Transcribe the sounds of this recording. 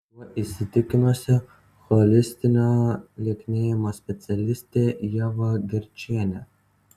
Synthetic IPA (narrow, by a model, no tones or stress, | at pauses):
ɔʔisʲɪt̪ʲɪkʲɪmʲosʲɛ | xɔlʲɪsʲt̪ʲɪnʲalʲekʲnʲeːjɛmɐsʲpʲɛt̪sʲɐlʲɪsʲt̪ʲejɛʋɐɡʲɪɾʲt͡ʃʲiɛnʲɛ